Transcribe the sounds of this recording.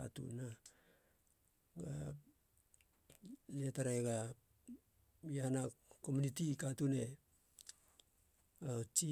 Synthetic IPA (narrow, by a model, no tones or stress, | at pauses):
a̰tṵna | ɡa | letaɾeɡa | ahanako̞munitikatune̞ | at͡ʃi